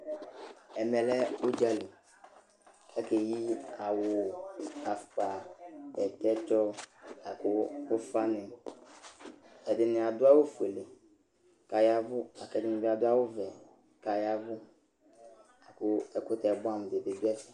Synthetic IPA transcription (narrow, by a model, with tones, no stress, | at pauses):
ɛ˨mɛ˨lɛ˦o˦d͡ʒa˦li˨ | ɛ˦ke˨ji˦a˨wʊ˨a˨fk͡pa˨ɛ˨tɛ˦t͡ʃɔ˦a˨kʊ˦ʊ˦fa˦nɪ̃˨ | ɛ˨dɪ˨nɪ̃˨a˨d̪ʊ˦a˦wo˦fu˨e˨le˨ | ka˨ja˦vʊ˦a˨kɛ˨dɪ˨nɪ̃˨bɪ˦a˨dʊ˦a˦wʊ˦vɛ˨ | ka˨ja˦vʊ˦ | a˨kʊ˦ɛ˨kʊ˦t̪ɛ˨bɔ˦a˦˨m˨de˨be˨bi˦ɛ˦sɪ̥˨